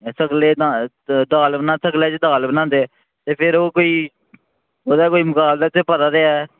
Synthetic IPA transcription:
səɡleːd̪ã | d̪aːlbənãːsəɡleːt͡ʃd̪aːlbənãːnd̪eː | t̪eːpʰɪɾoːkoːiː | oːd̪aːkoːiːmʊkaːblɛːt̪eːpət̪aːd̪eːɛː

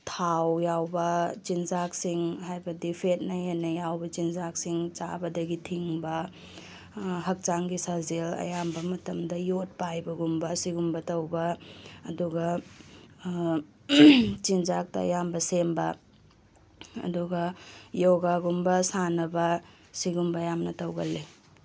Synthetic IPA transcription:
tʰawjawbɐt͡ʃinzak̚siŋɦajbɐdipʰet̚nɐjenːɐjawbɐt͡ʃinzak̚siŋt͡ʃa̰bɐdɐɡitʰiŋbɐ | ɦɐk̚t͡ʃaŋɡisazelɐ̰jambɐmɐtɐmdɐjot̚pajbɐɡumbɐsiɡumbɐtɐwbɐːduɡɐ | t͡ʃind͡ʒak̚tɐɐ̰jambɐsembɐ | ɐ̰duɡɐjoɡaɡumbɐsanɐbɐ | siɡumbɐjamnɐtɐwɡɐ̰lːi

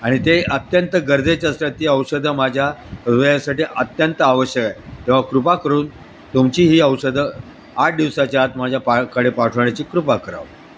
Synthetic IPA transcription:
aɽ̃it̪eət̪jənt̪əɡəɾd͡zet͡ɕast̪ɾat̪ːiəwsəd̪ʱəmad͡ʑʱjaɾʋəjasaʈiːʔət̪jənt̪əaʋəɕjəkat̪eʋ̤akɾupakəɾuːn | t̪umt͡ɕiːɦiːəwsəd̪ʱə | aʈ̚ʰd̪iʋsat͡ɕjat̪mad͡ʑʱjapakəɽepaʈʰʋɳ̃at͡ɕiːkɾupakəɾa̰ʋ

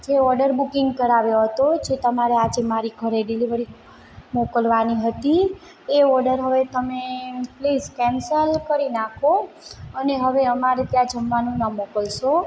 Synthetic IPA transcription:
d͡ʒeɔɾɖəɾbukɪŋɡkəɾaʋjoɦət̪od͡ʒʰet̪əmaɾead͡ʒemaɾiɡʰʱəɾeɖiliʋəɾi | mokəlʋaniɦət̪i | eɔɾɖəɾɦəʋet̪əmepliːskɛ̃nsəlkəɾinakʰo | əneɦəʋeəmaɾet̪jãd͡ʒəmʋanũnəmokəlʃo

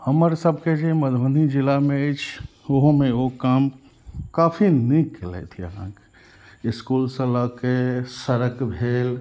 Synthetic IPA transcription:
həməɾsəbʱked͡ʒeməd̪ʱʋənid͡ʒilamẽet͡ʃʰ | oɦomeokaːm | kaːpʰinikːelɛ̰t̪ʰiə̰ɦã̰ke̥ | ɪskuːlsə̃lakesəɾəkbʱeːl

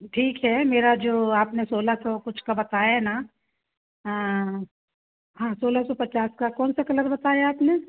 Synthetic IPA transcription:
ʈʰiːkɦɛmeːɾad͡ʒoːaːpnesoːlasɔkʊt͡ʃʰkabɐt̪aːjaɦɛna | ɦãːsoːlasɔpɐt͡ʃaːskakɔːnsakɐləɾbɐt̪aːjaaːpne

